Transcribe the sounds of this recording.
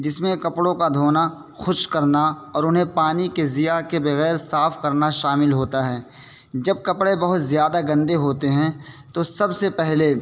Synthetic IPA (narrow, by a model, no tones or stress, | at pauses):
d͡ʒɪsmẽkɐpɽõkad̪ʱoːna | xʊʃkɐɾnaɔːɾʊnɦẽpaːnikezɪjakebɐɣɛːɾsaːfkɐɾnaʃaːmɪlɦoːt̪aɦɛː | d͡ʒɐb̚kɐpɽebɐɦʊt̪zjaːd̪aɡɐ̃nd̪eɦoːt̪eɦɛ̃t̪osɐbsepɛɦle